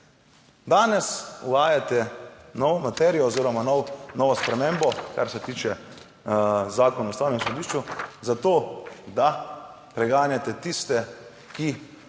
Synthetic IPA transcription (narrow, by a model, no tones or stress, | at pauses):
d̪aːnɛsṵʋaːjat̪ɛnɔːʋɔmat̪ɛɾijɔːziːɾɔmanɔwnɔːʋɔspɾɛmẽmbɔkaɾsɛt̪iːt͡ʃɛ | zaːkɔnaust̪aːwnɛmsɔd̪iːʃt͡ʃuzat̪oːd̪a | pɾɛɡaːnjat̪ɛt̪ist̪ɛ | ki